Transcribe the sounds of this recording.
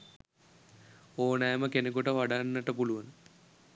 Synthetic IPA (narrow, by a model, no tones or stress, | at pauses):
oːnajaməkenekuʈəʋaɖanːəʈəpuluʋɐn